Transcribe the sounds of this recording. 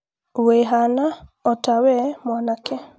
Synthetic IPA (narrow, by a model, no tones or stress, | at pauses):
weɦanaɔtawɛmɔnake